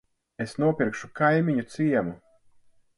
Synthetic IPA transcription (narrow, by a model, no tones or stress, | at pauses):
esnuɔpʲiɾkʃu̥kajmiɲut̪siɛmu